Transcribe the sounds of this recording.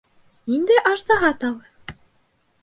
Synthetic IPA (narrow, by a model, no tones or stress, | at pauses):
nind̪æʔɑʃt̪ɑɦɑt̪ɑβɤ